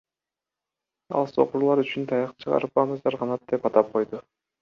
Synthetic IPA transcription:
ɑ̰lˠso̰quɾlˠɑɾyt͡ʃynt̪ʰɑjɑqt͡ʃʰɯʁɑ̰ɾɯpɑnɑzɑɾqʰɑnɑt̪̚d̪e̞pɑt̪ɑp̚qʰo̞jd̪ʊ

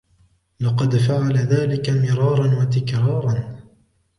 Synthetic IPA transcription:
lɑqɑd̪faʕalaðaːlɪkamɪɾˤɑːɾˤɑnwat̪̬ɪkɾɑːɾˤɑn

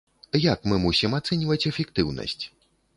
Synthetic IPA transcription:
jakmɨmusʲimat̪sɛnʲvɐt͡sʲɛfʲɛk̚t̪ɨwnɐ̰sʲt͡sʲ

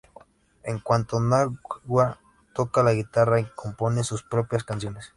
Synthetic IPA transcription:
eŋkwant̪onaɡwa | t̪okalaɣit̪araikomponesuspɾopjaskans̬jones

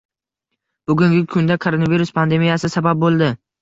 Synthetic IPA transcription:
b̥ʊɡʲʊŋɡʲɪkʰʊnd̪akʰoɾonaviɾʊspʰand̪e̞mijasɪsabap̚bolˠd̪ɪ

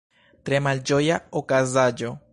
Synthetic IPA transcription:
t̪ɾemald͡ʒojaokazad͡ʒo

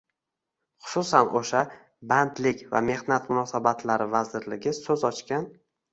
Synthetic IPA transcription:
χʊ̥sʊsanoʃa | bant̪lɪkʲva̰me̞hnat̪mʊnɒsabat̪laɾɪvazɪɾlɪɡʲɪsɵzɒt͡ʃkʲan

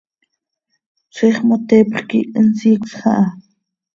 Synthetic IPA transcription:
t͡sʷʰiχmot̪eːpχkiʔənsiːkʷsχɑ̰ʔɑ

